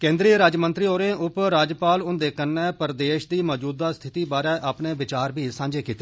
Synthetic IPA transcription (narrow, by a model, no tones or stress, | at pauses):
kẽːnd̪ɾiːɾaːd͡ʒmənt̪ɾiːɦoːɾẽːʊpɾaːd͡ʒpaːlʊnd̪eːkənːɛːpəɾd̪eːʃd̪iːmɔːd͡ʒuːd̪aːst̪ʰɪt̪iːbaːɾɛːʔaːpnẽːʋɪt͡ʃaːɾbiːsãːd͡ʒeːkiːt̪eː